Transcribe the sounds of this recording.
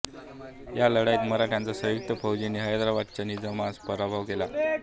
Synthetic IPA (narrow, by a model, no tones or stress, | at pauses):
jaləɽaiːt̪məɾaʈʰjant͡sasə̃juk̚t̪əpʰəwd͡ʑiniːɦəjəd̪ɾaʋat̪̚t͡ɕanid͡zəmaspəɾabʱaʋkela